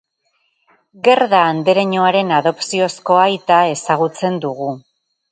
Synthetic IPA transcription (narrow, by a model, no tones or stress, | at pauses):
ɡe̞ɾðaːnd̪eɾeɲo̞aɾe̞naðo̞psio̞sko̞ajt̪ae̞saɣ̞ut͡se̞nd̪uɣu